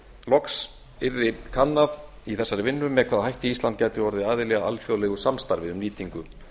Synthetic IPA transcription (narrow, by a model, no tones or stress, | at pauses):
lɔks | ɪɾðɪkʰanːað | iθɛsːaɾɪvɪnːʏmːɛðkʰvaːðahajht̪ɪislant̪̚caːjt̪ɪɔɾðɪaːðɪlɛɣaa̰lfjoːwlɛɣʏsamst̪aɾvɪʏmniːt̪iŋkʏm